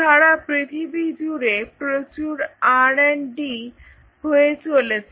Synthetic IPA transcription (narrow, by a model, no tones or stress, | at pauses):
aɽapɾit̪ʰibid͡ʑuɾepɾət͡ɕuɾaɽenɖi | ɦoet͡solet͡ɕ